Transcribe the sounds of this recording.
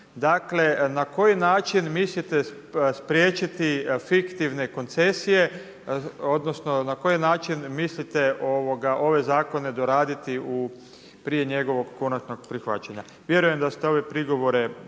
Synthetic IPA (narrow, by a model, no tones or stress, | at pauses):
d̪akle̞nako̞jinaːt͡ʃinmislit̪e | spɾjeːt͡ʃit̪ifikt̪iʋne̞ko̞nt̪se̞sije̞ | od̪nosno̞nako̞jinaːt͡ʃinmislit̪e̞oʋoɡaʔo̞ʋe̞zaːko̞ne̞d̪o̞ɾaːd̪it̪iu | pɾije̞ɲe̞ɡo̞ʋo̞ɡko̞nat͡ʃno̞ɡpɾixʋa̰t͡ʃaɲa̰ | ʋje̞ɾuje̞md̪ast̪eo̞ʋe̞pɾiɡo̞ʋo̞ɾe̞